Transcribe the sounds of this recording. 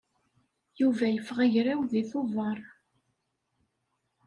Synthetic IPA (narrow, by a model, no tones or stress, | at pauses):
juvæjəfʁəʝɾæwðiθʊvɑɾˤ